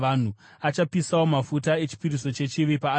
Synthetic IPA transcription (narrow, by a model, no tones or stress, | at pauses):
an̤u | at͡ʃapisawo̞mafut̬ae̞t͡ʃi̥piɾiso̞t͡ʃe̞t͡ʃiʋipaː